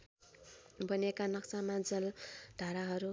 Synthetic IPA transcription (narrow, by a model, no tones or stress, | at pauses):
bʌnekanʌksamad͡zʌld̪̥ʱaɾaɦʌɾu